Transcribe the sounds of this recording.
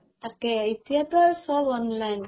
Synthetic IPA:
aɾkeit̪iat̪ɔɾsɔbɔnlajn

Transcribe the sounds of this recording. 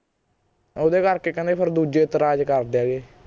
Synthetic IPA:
oːd̪eːkəɾkeːkəneːpʰəɾd̪uːd͡ʒeːt̪əɾaːd͡ʒkəɾd̪eaːɡeː

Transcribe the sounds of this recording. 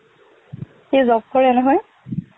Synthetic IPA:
xejzɔk̚kɔɹɛnɛɦɔj

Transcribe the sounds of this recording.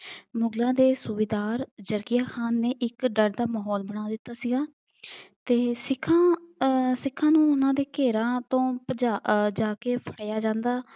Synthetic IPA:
mʊɡlãːd̪eːsʊʋeːd̪aːɾd͡ʒəɾkijaːxʰaːnːeːʔɪkɖəɽd̪aːmaːɦɔːlbəɽ̃aːd̪ɪt̪ːaːsiːɡaː | t̪eːsɪkʰã | sɪkʰːãːnũːʊnãːd̪eːkeːɾãːt̪õːpəd͡ʒaːd͡ʒaːkeːpʰəɽjaːd͡ʒãːnd̪aː

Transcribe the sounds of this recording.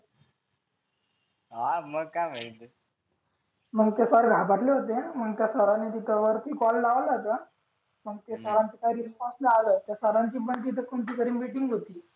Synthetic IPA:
ɦaməɡkam̤ait̪e | m̤əɡt̪esəɾɡʱapaʈleɦot̪em̤əɡt̪jasəɾanːet̪it̪ʰəʋəɾt̪iːkɔlːaʋlat̪ə | məɡt̪esəɾant͡ɕ̪ikajɾispɔslaalət̪jasəɾaɲt͡ɕiːbənt̪iːt̪̬əkomt͡ɕiːkəɾiːmiʈiŋɡɦot̪iː

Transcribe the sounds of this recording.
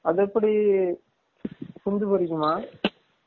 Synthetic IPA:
ɐðɛpːɐɽi | sʊnd̪ɯpɐɾɪɣɯmaː

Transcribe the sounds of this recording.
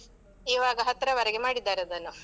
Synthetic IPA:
iːʋaːɡɐɦɐt̪ːɐɾɐʋɐɾɛɡemaːɽid̪ːaːɾeɐd̪ɐnːu

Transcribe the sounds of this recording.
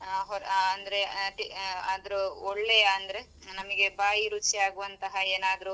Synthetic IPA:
ɦɔɾɐnd̪ɐɾeʈiɐd̪ɐɾuoɭːɛjɐɐnd̪ɐɾe | nɐmɐɡe̞baːjiɾut͡ʃiaːɡuʋɐnt̪ɐɦɐeːnaːd̪ɐɾu

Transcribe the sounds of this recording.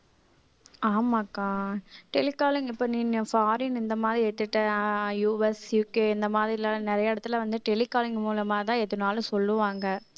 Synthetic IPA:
aːmaːkaːʈɛlɪkːaːlɪŋɡɪpːoːniːnfaːɾɪnɪnd̪ɐmaːðɾieːʈ̪ːɯʈːɐjuːɛsjuːkeːɪnd̪ɐmaːðɾɪlaːnɪɾɐjɐɪɽɐt̪ːɪlɐʋɐnd̪ɯʈɛlɪkːaːlɪŋɡmuːlɐmaːt̪ãːɛðɯnaːlɯ̃sɔlːɯʋaːŋɡɐ

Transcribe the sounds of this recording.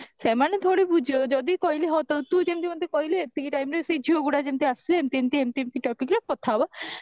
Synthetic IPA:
semaned̪ʱoɽebud͡ʒʱiod͡ʒɔd̪ikɔɦiliɦɔt̪owt̪ut̪emt̪imɔd̪ekɔɦileet̪ʰːikiʈajmɾesed͡ʒʱioɡuɽad͡ʒemt̪iasileemt̪iemt̪iemt̪iemt̪iʈɔpikɾakɔt̪ʰaba

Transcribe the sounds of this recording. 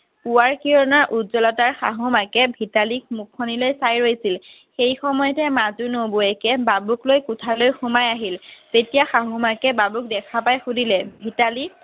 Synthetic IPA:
puwaɹkiɹɔnaɹʔutzɔlɔtaɹxa̰ɦʊmakɛbʱitalik̚mukʰːɔnilojsajɹojsil | xejxɔmɔjɔtɛmazunoboɛkɛbabuklojkʊtʰalojxumajaɦiltetijaxaɦʊmakɛbabuk̚dɛkʰapajxudilɛbʱitali

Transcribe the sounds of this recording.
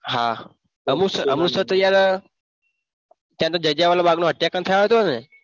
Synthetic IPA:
ɦa̰ | əmũsəəmusət̪əjaɾ | t̪jãt̪od͡ʒəd͡ʒaʋalobaɡnoɦət̪jakənt̪ʰəjoɦet̪one

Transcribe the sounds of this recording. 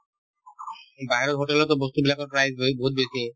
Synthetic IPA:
bʱajɾɔt̪ɦoʈelɔt̪ɔbost̪ubilakɔɾpɾajzboɦut̪̚besi

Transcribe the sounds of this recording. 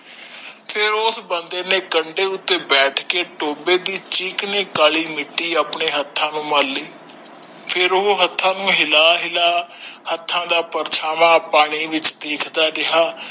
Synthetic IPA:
pʰɪɾʊsbənd̪eːneːkəɳɖeːʊt̪ːeːbɛːʈʰkeːʈoːbeːd̪iːt͡ʃiːkneːkaːliːmɪʈːiːaːpɳeːɦət̪ʰːãːnũːməlːiː | pʰɪɾoːɦət̪ʰːãːnũːɦɪlaːɦɪlaːhət̪ʰːãːd̪aːpəɾt͡ʃʰaːmãːpaːɽ̃iːʋɪt͡ʃd̪eːkʰd̪aːɾɪɦaː

